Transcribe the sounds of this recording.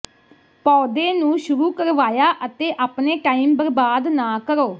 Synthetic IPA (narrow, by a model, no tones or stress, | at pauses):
pɔːd̪eːnũːʃʊɾuːkəɾʋaːjaːʔət̪eːʔaːpneːʈaːiːmbəɾbaːd̪naːkəɾoː